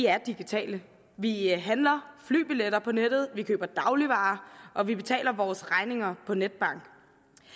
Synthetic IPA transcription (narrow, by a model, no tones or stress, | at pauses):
iæɐd̥iɡ̥it͡sʰɛ̰ːlə | ʋiɦænlɐfly̰ːb̥ileɾɐpʰɒ̽ned̥ð̞̩ˠʋikʰø̰ːb̥ɐd̥ɑ̈ʊliʋɑ̈ːʔɒ̽ʋib̥e̝t͡sʰɛ̰ːlɐʋɒːsʁɑ̈ɪne̝ŋɐpʰɒ̽ned̥̚b̥ɑ̈ŋ̰ɡ̥